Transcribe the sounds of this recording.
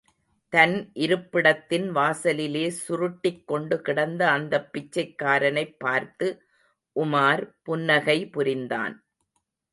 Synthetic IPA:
t̪ɐnʔɪɾɯpːɪɽɐt̪ːɪnʋaːsɐlɪleːsʊɾʊʈːɪkːɔɳɖɯkɪɽɐnd̪ɐɐnd̪ɐpːɪt͡ʃːɐɪkːaːɾɐnɐɪpːaːɾt̪ɯ | ʔʊmaːɾpʊnːɐɣɐɪpʊɾɪnd̪a̰ːn

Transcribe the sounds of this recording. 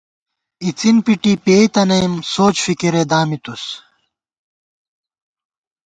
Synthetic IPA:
it͡sinpiʈipeːit̪ɐnɐjmsoːt͡ɕfikiɾed̪aːmit̪us

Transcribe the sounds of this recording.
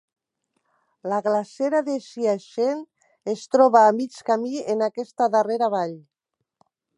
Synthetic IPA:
laɣlaseɾaðeʃiaʃen | est̪ɾɔβaːmit͡ʃkamienakɛst̪aðareɾaβaʎ

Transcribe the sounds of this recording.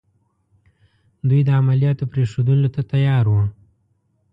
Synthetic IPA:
d̪ujd̪əamalijɑt̪opɾeʂod̪əlot̪at̪ajɑɾwə

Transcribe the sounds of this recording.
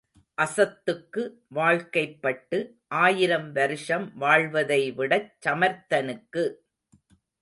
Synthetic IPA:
ʔɐsɐt̪ːɯkːɯ | ʋaːɻkɐɪpːɐʈːɯ | ʔaːjɪɾɐmʋɐɾɯʂɐmʋaːɭʋɐðɐɪʋɪɽɐt͡ʃːɐmɐɾt̪ːɐnɯkːɯ

